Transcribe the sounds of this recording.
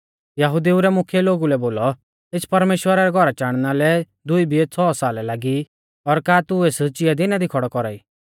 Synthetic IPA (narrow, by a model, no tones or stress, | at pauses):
jɐɦʊd̪iuɾɛmʊkʰjɛloːɡulɛboːlɔ | ɪt͡sʰpɐɾmeːʃwəɾaɾɛɡʱɔɾat͡ʃaːɽ̃nalɛ | d̪ʊibʱiet͡sʰɔːsaːlɛlaːɡi | ɔɾkaːt̪ueːst͡ʃɪjad̪inad̪ikʰɔɽɔkɔɾaːiː